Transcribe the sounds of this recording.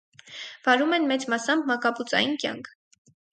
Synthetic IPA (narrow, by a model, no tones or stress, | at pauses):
vɑɾumɛnmɛt͡smɑsɑmbmɑkɑput͡sɑ̰jinkʲjɑ̰ŋkʰ